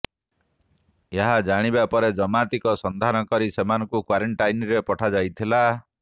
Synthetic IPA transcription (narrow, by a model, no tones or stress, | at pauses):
eɦad͡ʒaɽ̃ibapɔɾed͡ʒɔmat̪ikɔsɔnd̪ʱanɔkɔɾisemanɔŋkukwaɾeɳʈajnɾepɔʈʰad͡ʒajt̪ʰila